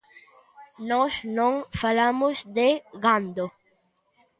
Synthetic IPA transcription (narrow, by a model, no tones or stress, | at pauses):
nɔsnõŋfalamozd̪eɣand̪o